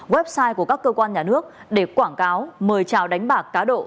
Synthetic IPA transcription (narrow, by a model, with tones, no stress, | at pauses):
ɣwɛ˦˥p̚saː˧jku˧˩əkaː˦˥kːəː˧kwaː˧nɲaː˨˩nɨ˦˥ək̚ | ɗe˧˩kwaː˧˩nkaː˨˦wməː˨˩jt͡ɕaː˧˩wɗa˨˦jŋ̟ɓaː˨˩kːaː˨˦ɗo̰˧˨